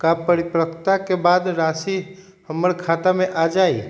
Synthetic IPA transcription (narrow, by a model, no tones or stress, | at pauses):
kapəɾipɾəkt̪akebad̪ɾasi | həmːəɾkʰat̪ameʔad͡ʒai